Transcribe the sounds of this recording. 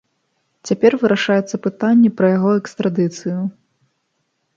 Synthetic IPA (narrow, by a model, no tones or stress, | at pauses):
t͡sʲapʲɛrvɨɾaʂajut̪sːɐpɨt̪anʲːipɾɐjaɣɔɛkst̪ɾad̪ɨt̪sɨju